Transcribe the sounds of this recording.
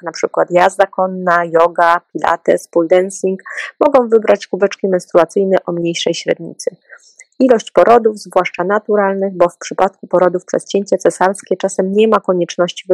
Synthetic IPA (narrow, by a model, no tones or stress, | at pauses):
napʂɘkwat̪jazakɔnːajɔɡapʲila̰t̪ɛ̰spuld̪ɛnsʲiŋkmɔɡɔ̃w̃vɘbɾat͡ɕkuvɛt͡ʂkʲimɛnst̪ɾuat̪sɘjnɛʔɔmɲejʂɛjɕɾɛ̰d̪ɲḭt̪sɘ | ilɔɕt͡ɕpɔɾɔd̪ufzvwaʂt͡ʂanat̪uɾalnɘɣbɔfpʂɘpat̪̚kupɔɾɔd̪ufpʂɛ̰st͡ɕeɲt͡ɕɛt̪sɛsaɾskʲɛt͡ʂasɛmɲɛmakɔɲɛt͡ʂnɔɕt͡ɕiv